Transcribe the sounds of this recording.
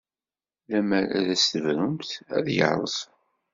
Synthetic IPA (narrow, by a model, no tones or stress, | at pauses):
læmæɾæ̰ðæst̪əvɾʊmθæ̰ðjə̰ʕɾˤə̰s